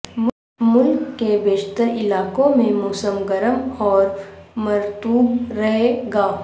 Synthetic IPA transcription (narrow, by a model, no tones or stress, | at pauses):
m | mʊlkːebeːd͡ʒt̪əɾɪlaːkõmẽmʊːsəmɡəɾəmɔːɾmɐɾt̪uːbɾəɦeɡaː